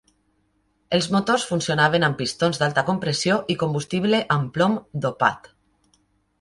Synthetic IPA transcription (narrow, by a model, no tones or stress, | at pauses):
elˠzmot̪osfunsijonaβ̞enampist̪onzd̪alˠt̪ɐkompɾesioʔikombust̪iβleʔamplomd̪opa̰t̪